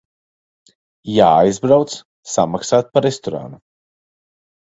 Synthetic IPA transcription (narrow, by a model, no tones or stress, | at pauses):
jaːajzbɾawt̪s | samaksaːt̪̚paɾest̪ɔɾa̰nu